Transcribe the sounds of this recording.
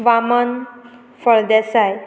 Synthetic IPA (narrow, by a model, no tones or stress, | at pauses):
ʋamən | fəɭd̪ɛsaj